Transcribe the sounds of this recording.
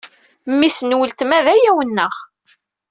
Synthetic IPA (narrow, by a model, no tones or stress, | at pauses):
mːisənwəlt̪mæðæjæwənːəʁ